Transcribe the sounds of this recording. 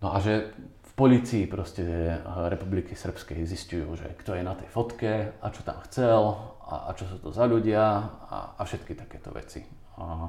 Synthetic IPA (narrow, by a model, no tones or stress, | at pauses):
nɔʔaʒɛ | fpɔliːt͡siːpɾɔscɛɾɛpublikisr̩pskɛziscujṵːʒɛ̰kt̪ɔjɛnat̪ɛjfɔt̪kɛat͡ʃɔ̥t̪a̰mxt͡sɛl | a̰a̰t͡ʃɔs̬uːt̪ɔzaʎuɟɪaa̰afʃɛt̪kit̪ḁkɛːt̪ɔ̰ʋɛ̰t͡sḭ